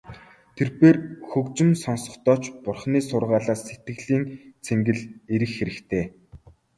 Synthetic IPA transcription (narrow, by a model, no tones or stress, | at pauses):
t̪ʰerpeːrxɵkt͡ɕɪ̆msɔnsɞ̆χt̪ɔːt͡ɕpʊrχniːsʊrʁaːɮaːsːet̪̚ɡɘ̆ɣɮiːnt͡sʰeŋɡɘ̆ɮeɾɘ̆xxeɾɘ̆kt̪ʰeː